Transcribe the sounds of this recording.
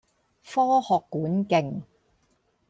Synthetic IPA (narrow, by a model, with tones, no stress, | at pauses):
fɔː˥hɔː˨kːuː˨˥nkɪ˨˩ŋ